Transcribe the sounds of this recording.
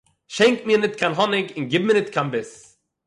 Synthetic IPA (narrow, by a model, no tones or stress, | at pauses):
ʃɛŋkmiːnɪtkʰanɦɔnɪkɪnɡɪb̚mɪnɪtkʰanbɪs